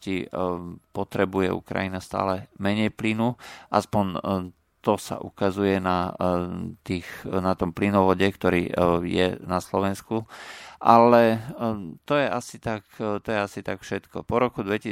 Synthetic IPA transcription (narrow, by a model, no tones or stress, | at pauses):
ci | pɔt̪ɾɛbujɛ̰ṵkɾa̰jinast̪a̰ːlɛmɛɲɛjplinuʔa̰spɔɲ | t̪ɔsa̰ʔṵkazujɛna | t̪iːxnat̪ɔmplinɔʋɔɟɛkt̪ɔɾḭːjɛ̰naslɔʋɛnskuʔalɛ | t̪ɔjɛʔasit̪akt̪ɔjɛasit̪akfʃɛt̪kɔ̰pɔɾɔkud̪ʋɛci